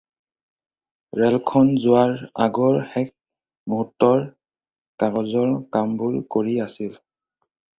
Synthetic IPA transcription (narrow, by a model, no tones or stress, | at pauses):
ɹɛlkʰɔnzʊwaɹaɡɔɹxɛk̚ | muɦutːɔɹ | kaɹɔzɔɹkambʊlkoɹiasil